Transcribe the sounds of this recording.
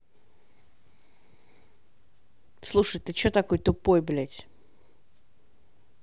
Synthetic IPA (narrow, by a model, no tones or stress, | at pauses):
slˠuʂɨjt̪ɨt͡ɕot̪ɐkojt̪ʊpojblʲæt̪ʲ